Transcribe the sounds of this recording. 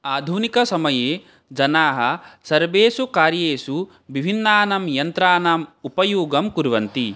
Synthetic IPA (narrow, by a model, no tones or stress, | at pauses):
aːd̪ʱunikɐsɐmɐjeː | d͡ʒɐnaːɦɐ̆sɐɾʋeːsukaːɾjeːsu | ʋibʱinːaːnɐmjɐnt̪ɾaːnaːmupɐjuːɡɐmkuɾʋɐnt̪i